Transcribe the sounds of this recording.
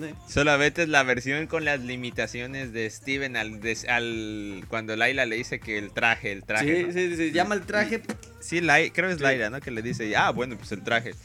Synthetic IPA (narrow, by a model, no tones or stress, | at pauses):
sisolament̪ezlaβe̞ɾsjo̞ŋko̞nlazlimit̪asjo̞ne̞zðe̞ːst̪iβe̞nalðesalkwand̪o̞elajlale̞ðise̞ke̞ːlt̪ɾaxeːlt̪ɾaesisiʝamaelt̪ɾaxep | silajkɾe̞okelajlano̞ke̞le̞ðiseaβwe̞no̞pwese̞lt̪ɾaxe̞